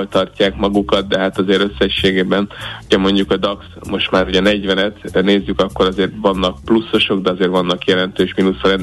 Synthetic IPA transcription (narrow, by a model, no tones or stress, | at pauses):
lt̪ɒrcːaːkmɒɡukɒt̪̚d̪ɛɦat̪ɒzeːɾø̞sːɛʃːeːɡeːbɛnocʰɒmo̞ɲɟukɒd̪ɒksmo̞ʃt̪maːɾuɟɛnɛɟvɛnɛt̪neːzːykɒkːo̞ɾɒzeːrvɒnːɒk̚plusːo̞ʃo̞ɡd̪ɛɒzeːrvɒnːɒkjɛlɛnt̪øːʃminusɾɛn